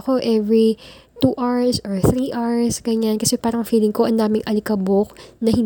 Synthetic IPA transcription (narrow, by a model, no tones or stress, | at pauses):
ko̞ʔɛvɹi | t̪uːʔaɹsoɹθɾiːʔaɹsɡɐɲankɐsɛpaːɾɐŋfiːlɪŋko̞ʔɐnd̪aːmɪŋʔɐlɪkɐbok̚nɐhɪn